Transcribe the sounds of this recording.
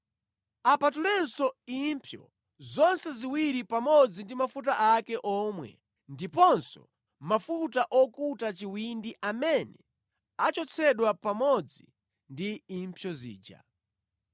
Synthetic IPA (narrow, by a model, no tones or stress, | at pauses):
apatulɛnsɔimpʰjɔ̰ | zɔnsɛziwiɾipamɔd͡zindimafut̬aʔakɛʔɔːmwɛ̰ | ndipɔnsɔ̰ | mafutaʔɔkutat͡ʃiwindiʔamɛnɛ | at͡ʃɔt͡sʰɛɗwapamɔd͡zi | ndiːmpʰjɔzḭːd͡ʒa̰